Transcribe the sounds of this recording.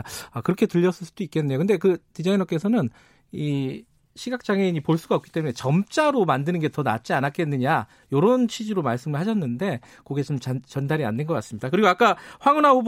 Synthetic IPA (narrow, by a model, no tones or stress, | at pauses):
akɯɾʌkʰe̞tɯʎːʌs͈ɯɭs͈ud̥oik͈e̞nːe̞jokɯnde̞kɯtid͡ʑainʌk͈e̞sʰʌnɯn | i | ɕʰiɡak̚t͡ɕ͈aŋe̞iɲipoɭs͈uɡaʌpk͈i̥t͈e̞mune̞t͡ɕʌmt͡ɕ͈aɾomandɯnɯnɡe̞tʌna̰t̚t͡ɕ͈ianak͈e̞nːɯɲa | joɾont͡ɕʰid͡ʑiɾomaɭs͈ɯmɯɭhaɕʰʌnːɯnde̞ | koɡe̞t͡ɕomt͡ɕat͡ɕʌndaɾia̰ndenɡʌk͈as͈ɯmɲidakɯɾiɡoak͈aɸwaŋonahob